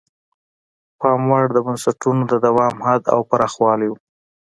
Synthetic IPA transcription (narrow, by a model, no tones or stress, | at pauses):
pɑmwaɽd̪əbansaʈunod̪əd̪awɑmhad̪a̰wpaɾɑxwɑliju